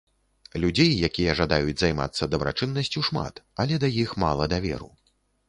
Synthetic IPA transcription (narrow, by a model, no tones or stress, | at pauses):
lʲud͡zʲejːakʲijɐʐad̪ajud͡zʲzajma̰t̪sːɐd̪ɐbɾa̰t͡ʂɨnːɐsʲt͡sʲuʂma̰t̪ɐlʲɛd̪ajixma̰lˠɐd̪avʲɛ̰ɾṵ